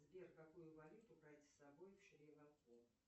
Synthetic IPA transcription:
zbʲerkɐkujʊvɐlʲut̪ʊpɾajt̪ʲsɐbojfʃɾʲivɐku

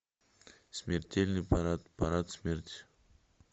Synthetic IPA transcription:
smʲertʲelʲnɨjpaɾat̪paɾat̪sʲmʲertʲ

